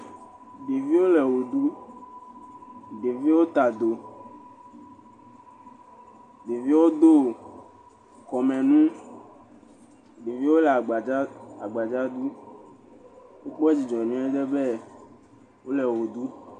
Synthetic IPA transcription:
be˨vi˦wo˦lɛ˨wo˨d̪u˦ | be˨vi˦wo˦t̪a˨d̪o˨ | be˨vi˦wo˦d̪o˦˨ | kɔ˨mɛ̃˨nũ˦ | be˨vi˦wo˦lɛ˨a˨ɡ͡ba˨ɡ͡ba˨d͡ʒa˦d̪u˦ | wo˦k͡pɔ˦d͡ʑi˨d͡ʒɔ̃˨nũ˦ɛ˦ɖ̪e˦bɛ˦ | wo˦lɛ˨wo˨d̪u˦

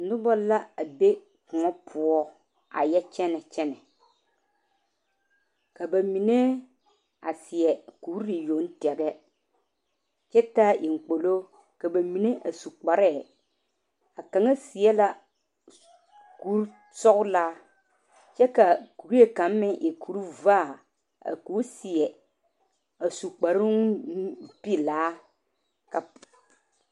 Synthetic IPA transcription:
nʊ˦bɔ˦la˦a˨be˦ | kʊ˨ɔ˦pʰʊ˦ɔ˦ | a̰˨jɛ˦t͡ʃɛ˦nɛ˨t͡ʃɛ˦nɛ˨ | ka˨ba˨mi˨ne˦ | a˨sɪ˨ɛ˨kuː˨˦ɾɾɪ˨jo˨˦n˦tɛ˨ɡɛ˦ | t͡ʃɛ˦taː˦ʔi˨ŋ̩˨k͡po˨lo˦ | ka˨ba˨mi˨ne˦ʔa˨su˨k͡pa˨ɾɛ˦˨ | a˨ka˨ŋa˦sɪ˨jɛ˦la˦ | ku˨˦ɾ | sɔ˦ɣʊ˦laː˦ | t͡ʃɛ˦ka˨ku˨ɾi˦je˦ka˨˦mːɪ˦ŋʔɪ˨kʰu˨˦ɾvaː˦˨ | a̰˨ku˨˦sɪ˨ɛ˨ | a˨su˨k͡pa˨ɾʊ˦ŋ˦ | pi˦˨laː˨˦ | ka˨

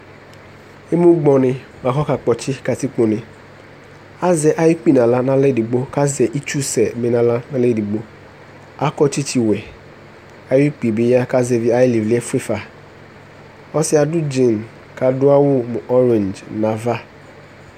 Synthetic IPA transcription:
ɪ˦mʊ̃˦ɡ͡bɔ˨nɪ˨ | ma˨kɔ˦ka˨k͡pɔ˨t͡ʃɪ˦ka˨ti˦k͡po˨nɪ̃˨ | a˦zɛ˨ʔa˦ji˦k͡pi˦˨nã˨la˦nã˦lɛ˦˨di˨ɡ͡bo˦ka˦zɛ˨ʔi˦t͡ʃu˦sɛ˨mɪ̃˨nã˨la˦nã˦lɛ˦˨di˨ɡ͡bo˦ | a˦kɔ˦t͡ʃi˦t͡ʃi˨wɛ˨ | a˨˦i˦k͡pi˨bɪ˦ja˦ka˦zɛ˨vi˦a˦jɪ˦li˨vli˦ɛ˦fɪ˦fa˨ | ɔ˦sɪ˦a˨dʊ˦d͡ʒɪ̃˨n˨ | ka˨dʊ˦a˦wʊ˦m˨ʔɔ˦ɾẽ˨nd͡ʒna˨va˦

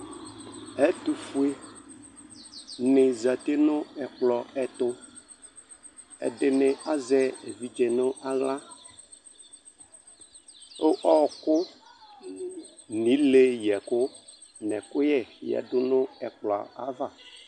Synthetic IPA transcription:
ɛ˦t̪u˨fu˦e˦ | nɪ˨za˨t̪e˦nʊ̃˦ɛ˨k͡plɔ˨ɛ˨t̪ʊ˦ | ɛ̰˨ɖɪ˨nɪ˨a˦zɛ˦e˨vi˦d͡ʒɛ˨nʊ̃˦ʔa˨ɣla˦ | o˦ʔɔ˦˨kʊ˦ | nĩ˨˦le˦jɛ˨kʊ˦ | nɛ̰˨kʊ˦jɛ˨jɛ̰˨ɖʊ˦nʊ̃˦ɛ̰˨k͡plɔ̰˨a̰˨va˦˨

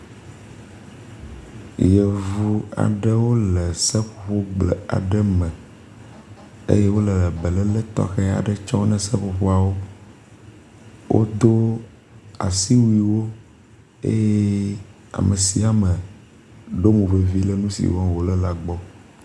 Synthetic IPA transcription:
jə˨vu˦a̰˨ɖə˦wo˦lə˨sə˦ɸo̥˨ɸo˦ɡ͡blḛ˨a̰˨ɖə˦mə̃˨ | ḛ˦je˦wo˦lə˨lə˨bə˨lə˦lə˦t̪ɔ̰˦xe˦a̰˨ɖə˦t͡ʃɔ˦nɛ̃˨sə˦ɸo˨ɸo˦a˨wo˦ | wʔo̰˦d̪o˦ | a̰˨si˦wi˦wo˦ | ḛ˦je˦ | a̰˨mə˨si˨a˨mə˨ | ɖo˦mũ˨ɸe˨vi˦lə˦nũ˦sḭ˨wɔ̃˦wo˨lə˦la˨ɡ͡bɔ˦

